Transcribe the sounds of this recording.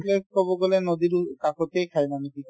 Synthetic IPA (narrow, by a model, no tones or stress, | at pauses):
lekoboɡolenod̪iɾkakʰot̪ejkʰajnaniki